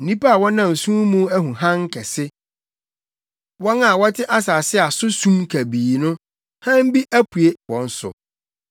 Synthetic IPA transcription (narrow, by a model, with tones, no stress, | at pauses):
n̩˨nĩ˦pa˦a˨wɔ̃˦nã˨m˨sũ˦mũ˦æ˦ɦũ˨ɦã˦ŋ̩˦kʰɛ˨sɪ˦ | wɔ̃˦na˨wɔ˦tʰɪ˦ʔa˦saː˨sɪ˦a˨sʊ˦sũ˦mkʰæ˨biː˨nʊ̃˦ | hã˦m̩˦bi˦ʔæ˦pʰu˨e˦wɔ̃˨n̩˦sʊ̰˨